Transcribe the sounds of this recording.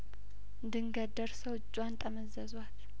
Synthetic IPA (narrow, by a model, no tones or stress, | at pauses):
nd̪ɨŋɡəd̪əɾsəwd͡ʒʼːwant̪ʼəməzəzwat̪